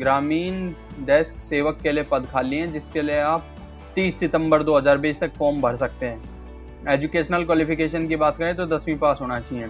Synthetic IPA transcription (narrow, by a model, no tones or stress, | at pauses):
ɡɾaːmiːnɖɛːskseːʋəkːeliepɐd̪kʰaːliɦɛ̃d͡ʒɪskelieaːp̚ | t̪iːsːɪt̪ə̃mbəɾd̪oːɦɐzaːɾbiːd͡ʒt̪ɐkfɔːmbʱɐɽsɐk̚t̪eɦɛ̃ː | eːd͡ʒukeːʃnəlkwaːlɪpɪkeːʃ̬ənkibaːt̪̚kɐɾẽt̪od̪ɐswĩpaːsɦoːnat͡ʃaːɦiẽː